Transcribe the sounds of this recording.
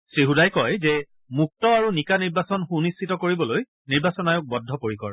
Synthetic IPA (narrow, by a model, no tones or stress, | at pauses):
sɹiɦudajkɔjzɛ | muk̚tɔaɹunikaniɹbasɔnxunisːitɔkoɹibɔloj | niɹbasɔnajʊk̚bɔdʱːɔpoɹikɔɹ